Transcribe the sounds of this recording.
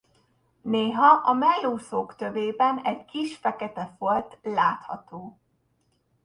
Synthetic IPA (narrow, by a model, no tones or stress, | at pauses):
neːɦɒʔɒmɛlːoːsoːkt̪øveːbɛnɛɟkiʃfɛkɛt̪ɛfolt̪laːt̪hɒ̰t̪oː